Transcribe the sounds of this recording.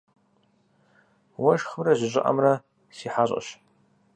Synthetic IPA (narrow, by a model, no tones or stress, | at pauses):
waʃχəmraʒʷɪʒʷʼɪʔa̰mra | siħaɕʼa̰ʃ